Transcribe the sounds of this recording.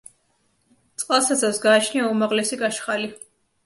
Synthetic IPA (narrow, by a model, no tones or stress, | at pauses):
t̪sʼqʼalˠsasasɡaːt͡ʃʰniaumaʁlɛsikʼaʃχali